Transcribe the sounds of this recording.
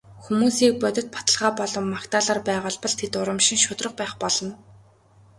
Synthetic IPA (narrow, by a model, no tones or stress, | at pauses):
xumuːsiːk̚pœt̪ʲɪ̆t̪̚pḁt̪ə̆ɮʁaːpɔɮɞ̆mːakt̪aːɮaːrpæːʁʊ̆ːɮpɞ̆ɮt̪ʰet̪ʊɾə̆mʃɪ̆ŋʃʊt̪rə̆χpæːχpɔɮɞ̆n